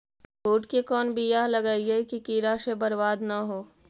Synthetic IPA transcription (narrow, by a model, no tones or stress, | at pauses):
boːʈkekɔːnbijalɐɡaːiekikiːɾaʃebɐɾbaːd̪naɦoː